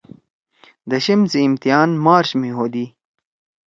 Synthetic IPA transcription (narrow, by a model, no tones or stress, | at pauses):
d̪ɐɕimziːmt̪ijaːnmaːɾɕmiɦoːd̪i